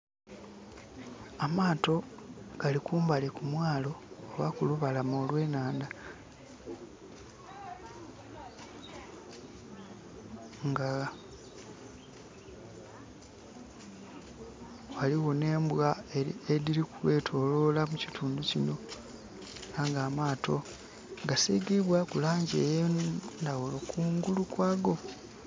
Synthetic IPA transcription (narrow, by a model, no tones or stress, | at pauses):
amaːto̞ɡ̥alikuːmbalekumwaːlo̞ːβakuluβalamo̞ːlwe̞ːnaːnda | ŋɡa | waliwo̞ne̞ːmbwaeeɾiɾikuwe̞ːtʰo̞lo̞lamucitʰuːnducino̞ | aŋɡaːmaːtʰo̞ | ɡasiɡiβwakulaːɲɟeːjendawulo̞kuːŋɡulukwaːɡo̞